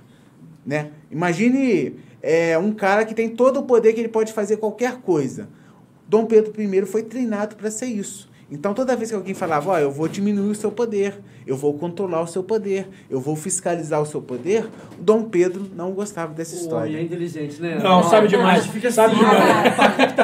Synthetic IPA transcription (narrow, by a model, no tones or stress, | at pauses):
nɛimaʒĩnɪ | ɛũkaɾɐkɪt̪ẽj̃t̪od̪ʊːpod̪eɾkɪelɪpɔd͡ʒɪfazeɾkwawkɛɾkojzɐ̰ | ʊd̪õw̃ped̪ɾʊpɾimejɾʊfojt̪ɾejnad̪ʊpɾɐseɾisʊ̥ | ẽnt̪ɐ̃w̃t̪od̪ɐvejskɪawɡẽj̃falavɐɔewvod͡ʒimĩnuiʊsewpod̪eɾ | ewvowkõnt̪ɾolaɾʊsewpod̪eɾ | ewvowfiskalizaɾʊsewpod̪eɾ | ʊd̪õw̃ped̪ɾʊnɐ̃w̃ʊɡost̪avɐd̪ɛsɐisst̪ɔɾɐɛĩt̪eliʒẽt͡ʃɪnɛnɐ̃w̃sabɪd͡ʒɪmajzpkesabɪd͡ʒɪmaj